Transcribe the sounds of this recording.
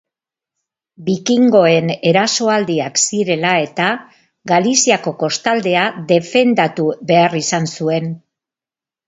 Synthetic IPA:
bikiŋɡo̞e̞ne̞ɾaso̞ald̪iaksiɾe̞lae̞t̪a | ɡalisiako̞ko̞st̪ald̪e̞aðe̞fe̞nd̪at̪uβe̞arisansue̞n

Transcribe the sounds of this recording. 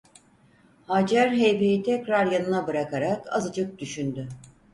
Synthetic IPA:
had͡ʒæɾɦejbejit̪ʰɛcɾaɾjanɯnabɯɾakaɾaka̰zɯd͡ʒɯk̚d̪yʃynd̪y

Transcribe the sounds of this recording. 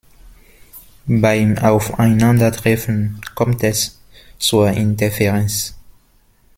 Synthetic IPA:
baɪmaʊfaɪnãndətʁɛfə̃nkʰɔ̃mtɛs | t͡suɐĩntɛfɛʁɛ̃ns

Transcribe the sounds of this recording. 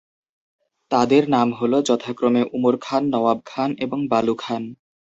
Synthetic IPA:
t̪ad̪eɾnamɦolod͡ʑɔt̪ʰakɾomeʔumoɾkʰanːɔwab̚kʰaneboŋbalukʰan

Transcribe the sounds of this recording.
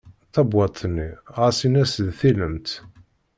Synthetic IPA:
θæbwɑt̪ˤθnːiʁasinæsðθiləmt̪

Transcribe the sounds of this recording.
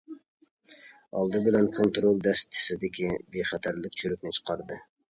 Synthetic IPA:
ɑ̰lˠd̪ɨbɪlɛnkʰont̪ɾolˠd̪ɛst̪ʰɪ̥sɪd̪ɪkʲʰibeχæt̪ʰæɾlɪkʲt͡ʃʰøɾykʲnɪt͡ʃʰə̥qʰɑɾd̪ɨ

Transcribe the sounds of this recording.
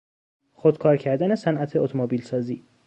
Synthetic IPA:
xod̪̥kʰɒːɾcʰæɾd̪æne̞sænʔæt̪ʰeot̪ʰomobiːlsɒːziː

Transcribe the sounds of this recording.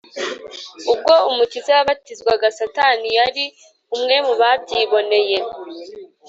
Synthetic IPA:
ub̚ɡo̞umucizeaβatizɡwaɡasatanijaɾi | umŋe̞muβabɟiːβo̞ne̞je̞

